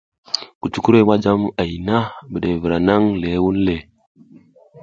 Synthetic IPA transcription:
ku˨t͡ʃu˦ku˦ɾe˦ma˦d͡ʒa˦ma˨i˨na˦bə˨ɗe˨və˨ɾa˨na˦ŋle˨˦wu˦n˦le˨

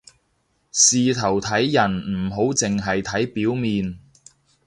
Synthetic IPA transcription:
siː˨t̪ʰɐ˨˩wt̪ʰɐ˨˥jːɐ˨˩nm̩˨˩ɦo˨˥wt͡sɪ˨ŋɦɐ˨jt̪ʰɐ˨˥jpiː˨˥wmiː˨n

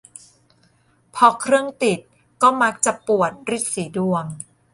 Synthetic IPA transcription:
pʰɔ˧kʰɾɯ˥˩əŋt̪i˨˩t̪̚ | kɔː˥˩ma˦˥k̚t͡ɕa˨˩pu˨˩ət̪̚ɾi˦˥t̪̚siː˩˦du˨˧əŋ

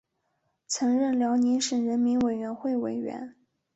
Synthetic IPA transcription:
t͡sʰɤ˧˥ŋɻə˥˩nljɑ˧˥ʊni˧˥nʂɻ̩˨˩ɻə˧˥nmi˧˥nwe˨˩ɪɥɛ˧˥nxwe˥˩ɪwe˨˩ɪɥɛ̰˧˥n

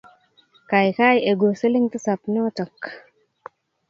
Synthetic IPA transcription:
ka˨jka˦je˨ɡo˨se˦li˦ŋt̪ə˦sa˨pnɔ˦tə˨k

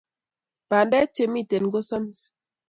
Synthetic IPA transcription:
pa˨ndɛ˦t͡ʃe˨mi˦˨te˨nɡo˦sa˦m˨s

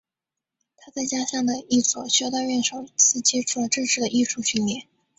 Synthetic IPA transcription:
t̪ʰa˥t͡sa˥˩ɪt͡ɕja˥ɕɑ˥˩ŋd̪ə˩i˥˩swɔ̰˨˩ɕɥɔ˥ʊt̪ɑ˥˧ɥɛ˥˩nʂo˨˩ʊt͡ɕ̩ʰ˥˩t͡ɕjɛ˥ʈ͡ʂʰu˨˩lə˦ʈ͡ʂ̩˥˧ʂɻ̩˥˩d̪ə˩ʔi˥˧ʈ͡ʂʰu˥˩ɕy˥˧nljɛ˥˩˦n

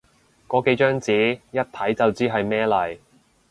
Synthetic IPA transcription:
kɔː˨˥ke˨˥jt͡ʃœː˥ŋt͡siː˨˥jɐ˥t̚t̪ʰɐ˨˥jt͡sɐ˨wt͡siː˥ɦɐ˨jmɛː˥lɐ˨˩j

